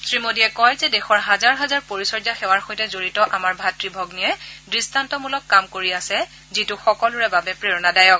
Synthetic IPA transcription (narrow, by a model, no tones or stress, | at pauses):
sɹimodijɛkɔjzɛdɛxɔɹɦazaɹɦazaɹpoɹisɔɹzaxɛwaɹxojtɛzoɹitɔʔamaɹbʱatɹibʱɔɡniɛdɹistantɔmulɔkːamkoɹiasɛ | zitʊxɔkɔlʊɹɛbabɛpɹeɹɔnadajɔk̚